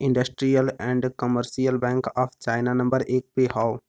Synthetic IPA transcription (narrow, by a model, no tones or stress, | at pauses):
ɪ̃ɳɖəsʈɾijəlɛ̃ːɳɖkəməɾʃijəlbɛ̃ːŋkaːpʰt͡ʃaːɪnanɐ̃mbəɾeːk̚peɦaːo